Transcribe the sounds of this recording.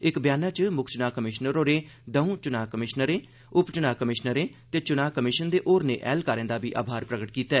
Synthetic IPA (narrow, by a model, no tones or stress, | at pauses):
ɪkbjaːnaːt͡ʃmʊkʰt͡ʃnaːkəmɪʃnəɾoːɾeːd̪əũːt͡ʃʊnaːkəmɪʃnəɾẽː | ʊpt͡ʃənaːkəmɪʃnəɾẽːt̪eːt͡ʃʊnaːkəmɪʃənd̪eːʔoːɾnḛːʔɛ̰ːlkaːɾɛ̃ːnd̪aːbḭːʔa̰ːbʱaːɾpɾəɡəʈkiːt̪ɛː